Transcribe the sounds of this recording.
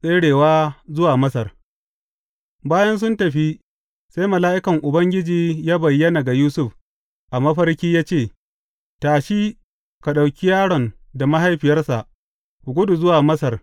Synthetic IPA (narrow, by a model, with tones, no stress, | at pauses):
sʼeː˦ɽeː˨waː˦zʊ˦waː˨mɐ˦sɐ˨r | baː˦jɐ˦ns̬ʊ˦ntɐ˨ɸi˦ | sa˦jmɐ˨laː˦ʔɪ˦kɐ˨ŋʔʊ˨bɐ˦ŋɡʲɪ˦d͡ʒiː˨jaː˦bɐ˨jːɐ˦na˨ɡa˨juː˦sʊ˦ɸ | ʔa˨mɐ˦ɸɐ˦rkʲiː˦jaː˦t͡ʃeː˦˨ | taː˨ʃi˦ | ka˨ɗa˨wkʲi˦jaː˦ɽɔ˨nda˨ma˦ɦa˦jɸɪ˨jɐ˦rsa˨ʔ | kʷu˨ɡʷʊ˦du˨zʊ˦waː˨mɐ˦sɐ˨r